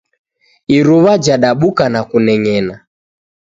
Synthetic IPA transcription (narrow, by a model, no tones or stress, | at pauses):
iɾuβad͡ʒaɗaɓukanakunɛŋɛna